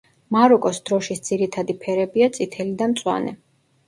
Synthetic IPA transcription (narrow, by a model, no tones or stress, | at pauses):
maɾɔkʼɔsd̪̥ɾɔʃisd̪z̥iɾit̪ʰad̪ipʰɛɾɛbiat̪sʼit̪ʰɛlid̪amt̪sʼwa̰nɛ̰